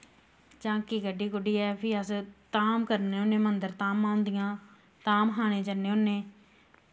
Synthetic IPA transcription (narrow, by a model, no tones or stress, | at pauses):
t͡ʃãːkikəɖiːkʊɖiːɛːpʰɪəst̪aːmkəɾneːonːẽːmənd̪əɾt̪aːmãːʊ̃nd̪ɪjãː | t̪aːmɦaːñẽːt͡ʃənːeːonːẽː